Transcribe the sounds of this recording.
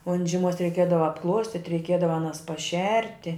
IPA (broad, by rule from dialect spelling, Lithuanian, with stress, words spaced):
oːn ʒʲɪˈmuɔs rʲɛɪˈkʲiɛdɐʋɐ ɐpˈklˠuɔsʲtʲɪtʲ rʲɛɪˈkʲiɛdɐʋɐ ɐˈnɐs pɐˈʃʲɛrʲtʲɪ